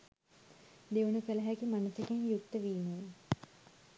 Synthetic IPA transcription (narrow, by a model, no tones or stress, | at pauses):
d̪eʋunukələɦækimanusekenjukt̪əʋiːmoe